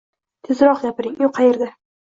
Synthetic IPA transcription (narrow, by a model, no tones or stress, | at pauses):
t̪ʰɪzɾɒqɡʲapɪɾɪŋjoqʰɑjeɾd̪ɪ